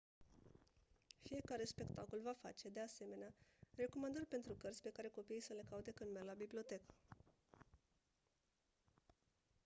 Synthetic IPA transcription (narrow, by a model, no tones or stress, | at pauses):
fije̞kaɾe̞spe̞kt̪ako̞lvafa̰t͡ʃe̞d̪e̞ase̞me̞neare̞ko̞mand̪ərʲpe̞nt̪ɾukərt̪sʲpe̞kaɾe̞ko̞piijsəle̞kaut̪ekɨnmerʲlabiblio̞t̪e̞k